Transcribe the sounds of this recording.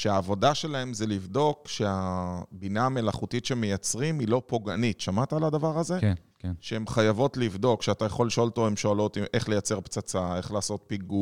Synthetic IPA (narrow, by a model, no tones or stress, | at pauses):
ʃeaːvo̞daʃe̞lahe̞mzelivd̪o̞kʃeabinaːme̞laχutitʃemejat͡sʁimilo̞po̞ɡanitʃamat̪aalad̪avaʁaze̞ | ʃeemχajavo̞tlivd̪o̞kʃeatajaχo̞liʃo̞lt̪ovemʃoalo̞timʔe̞χle̞jat͡se̞ʁpt͡sat͡sae̞χlaːso̞t̚piɡu